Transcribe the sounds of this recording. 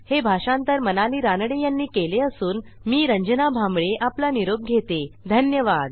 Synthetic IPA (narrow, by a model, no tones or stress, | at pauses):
hebʱaʂãnt̪əɾmənaliːɾanɽejanːiːkeleəsuːn | miːɾəɲd͡ʑənabʱãmbɭeʔaplaniɾoɡ̚ɡʱet̪ed̪ʱənjəʋad̪